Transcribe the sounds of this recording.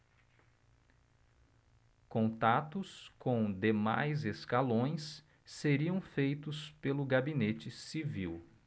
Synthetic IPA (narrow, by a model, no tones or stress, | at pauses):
kõnt̪at̪ʊskõw̃d̪ema̰jzeskalõj̃sː | eɾiɐ̃w̃fejt̪ʊspelʊɡabinet͡ʃɪsiviw